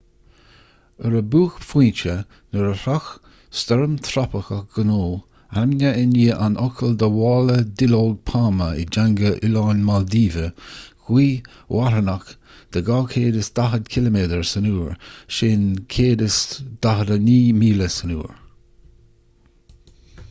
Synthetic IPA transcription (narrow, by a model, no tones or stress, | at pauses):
əɾəbuːxfiːnt͡ʃə | nəɾəɾax | st̪ɔɹəmt̪ʰɾapəxəɡ̥ənoː | amnəɪniːʔanʔɔkʰəld̪əwɑːləd̪ɪlold̚pʰaːməɪ̰d͡ʒaŋɡəʔɪlaːnmald̪iːvəɡ̥wiː | wʔaɾənak | d̪̥əɡaːkʰeːdəsd̪̥aɦəd̪kʰɪləmeːd̪əɹsənuːɹʃeːnkʰeːdəsd̪̥aɦədəniːmiːləsənṵːɹ